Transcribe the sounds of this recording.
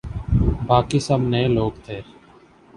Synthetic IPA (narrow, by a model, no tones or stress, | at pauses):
bʱaːkiːsəmneloːk̚t̪ʰeːɾ